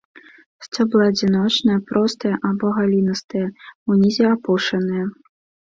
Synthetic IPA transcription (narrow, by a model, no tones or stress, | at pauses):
sʲt͡sʲɔblˠaɐd͡zʲinɔt͡ʂnɐjɐpɾɔst̪ɨjɐʔabɔɣalʲinɐst̪ɨjɐunʲizʲɛapɔʂɐnɨjɐ